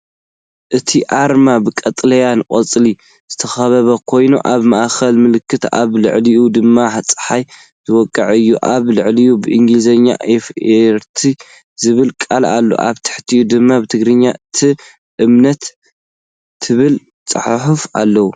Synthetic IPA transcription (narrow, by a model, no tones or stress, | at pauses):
ʔɨt̪ʰiʔaɾmabɨkʼɐt̪ʼlɐjankʼɐt͡sʼli | z̥ɨt̪ʰɐxɐβɐβɐkʰo̞jnṵʔaβmaʔxɐlmɨlɨkʰːɨt̪a̰βlɨ̰ʕliʔud̪ɨmːaħat͡sʼɨ̥ħaj | z̥ɨwɔkʼːɐʕɨjːuʔaβlɨʕlijubɨʔiŋɡlizɐɲːa̰ʔefeɾt̪ʰi | zɨβɨlkʼalalːo̰ʔa̰βt̪ʰɐ̥ħt̪ʰiud̪ɨmːabɨt̪ʰɨɡɾɨɲːaʔɨt̪ʰi | ʔɨmnɐt̪ | ɨβɨl | t͡sʼɨ̰ħħufa̰lːɐwu